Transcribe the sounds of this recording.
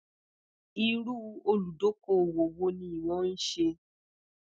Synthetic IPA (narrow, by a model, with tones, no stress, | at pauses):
i˧ɾu˦o˧lu˨do˨˦ko˦˨wo˨wo˧˦nĩ˧i˨w̃ɔ̃˧˦n̩˦ʃe˧